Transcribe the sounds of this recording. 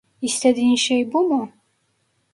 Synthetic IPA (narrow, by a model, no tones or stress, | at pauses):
ist̪ʰɛd̪inʃɛjbumʊ